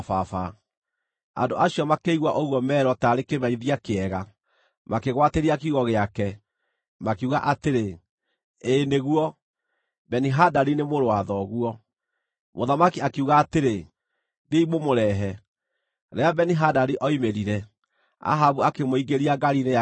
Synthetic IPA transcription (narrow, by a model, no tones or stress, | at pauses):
fafa | a̰ndoʔaɕiɔmakeiɣwaʔoɣwɔmɛːɾɔtaɾekemaiðiakeɛɣa | mʔakeɣwateɾiakiuɣɔɣeakɛ | makeuɣaʔateɾe | eːneɣwɔ | bɛniɦadaɾinemoɾowaðɔɣuɔ | moðamakiakiuɣaːteɾe | deimomoɾɛɦɛ | ɾɛabɛniɦadaɾiʔɔimeɾiɾɛ | a̰ɦaβuakemoiɡeɾiaɡaɾine